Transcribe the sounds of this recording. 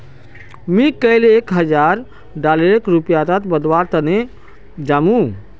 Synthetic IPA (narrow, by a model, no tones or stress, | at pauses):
mĩkəjlekɦəd͡ʒaɾ | ɖaleɾekɾupjat̪at̪bəd̪waɾt̪əne | d͡ʒamũ